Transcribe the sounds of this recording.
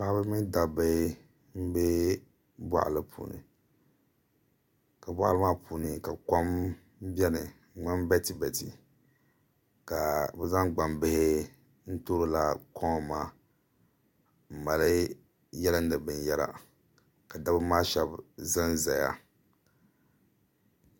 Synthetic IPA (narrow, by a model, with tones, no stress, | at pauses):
pa˦bɨ˦mi˦nda˨bɨ˦ | m̩˦bɛ˦ | bwa̰˦ʔlɨ˦pʰṵː˨nɨ̰˨ | ka˨ba˦ʔa˦lɨ˦maː˦pʰuː˨nɨ˨ka˨ko˦m˦ | bɛ˦nɨ˨˦˨ | ŋ͡ma˦m˦bɛ˦ti˨bɛ˨ti˨ | ka˨bɛ˦za˦ŋɡ͡ba˨mbɪ˦hɪ˦ | n̩˦to˦ɾo˦la˨kʰɔ˦ŋ˨maː˦ | m̩˨ma˨lɨ˦ | jɛ˦la˦n̩˦dɨ˨bɨ˨njɛ˦la̰˨ | ka˨da˦bɨ˦maː˦ʃɛ˦bza˦nza˨ja̰˨